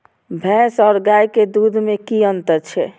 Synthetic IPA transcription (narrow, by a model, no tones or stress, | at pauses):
bʱɛ̃sɔɾɡajked̪ud̪ʱmekiənt̪əɾt͡ʃʰɛ